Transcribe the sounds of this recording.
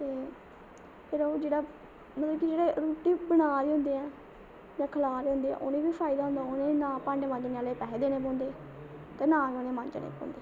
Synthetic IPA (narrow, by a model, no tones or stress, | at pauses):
t̪eː | pʰɪɾoːd͡ʒeːɽaː | mət̪ləbkid͡ʒeːɽeːɾuːʈiːbənaːɾiːɦʊ̃nd̪eːɛː | d͡ʒãːkʰəlaːɾeɦʊ̃nd̪eːɛ̰̃ːʔʊːnẽːbiːpʰaːɪd̪aːɦʊ̃nd̪aːʊnẽːnãːpaɳɖmə̃nd͡ʒnealeːpɛɦːd̪eːnẽːp̬õːnd̪eː | t̪eːnãːionẽːmə̃nd͡ʒnḛːpõ̰ːnd̪eː